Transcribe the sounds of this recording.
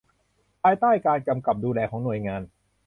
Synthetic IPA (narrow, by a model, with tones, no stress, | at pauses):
pʰaː˧jt̪aː˥˩jkaː˧nka˧mka˨˩p̚duː˧lɛː˧kʰɔː˩˦ŋnu˨˩əjŋaː˧n